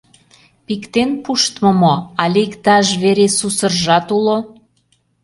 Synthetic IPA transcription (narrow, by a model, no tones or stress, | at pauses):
pikt̪enpuʃt̪mə̆moɑlʲikt̪ɑʒβeɾesusərʒɑt̪ulo